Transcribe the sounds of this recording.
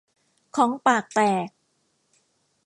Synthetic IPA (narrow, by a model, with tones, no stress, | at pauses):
kʰɔː˩˦ŋpaː˨˩k̚p̪ɛː˨˩k̚